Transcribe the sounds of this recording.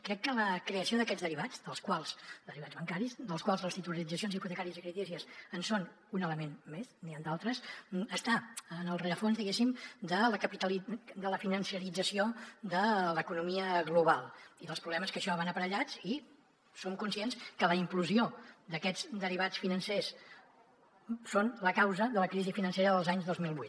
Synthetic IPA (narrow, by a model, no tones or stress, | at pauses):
kɾɛkːələkɾeəsioðəkɛd̪zðəɾiβad͡zd̪əlˠskwalˠsd̪əɾiβadd͡zβəŋkaɾizd̪əlˠskwalˠzləst̪it̪uləɾid͡zəsionziput̪əkaɾiəzikɾit̪iziəsənson | unələmenmesniand̪alˠt̪ɾəsəst̪aənəlˠreəfonzðiɣesimd̪ələkəpit̪əlid̪ələfinənsiəɾid͡zəsiod̪ələkunumiəɣluβ̞alˠiðəlˠspɾuβlɛməskəʃɔβanəpəɾəʎat͡si | somkunsienskələimkluziod̪əkɛd͡zd̪əriβat͡sfinənses | sonləkawzəðələkɾizifinənseɾəðəlˠzaɲzðozmilˠβuit̪